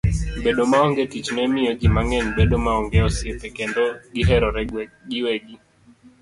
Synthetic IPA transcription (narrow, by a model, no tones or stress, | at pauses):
bɛɗɔmaɔŋɡɛtit͡ʃnɛmiɔd͡ʒimaŋɛnbɛɗɔmaɔŋɡɛɔsiɛt̪ɛkɛndɔɡiɦɛɾɔɾɛɡiwɛɡi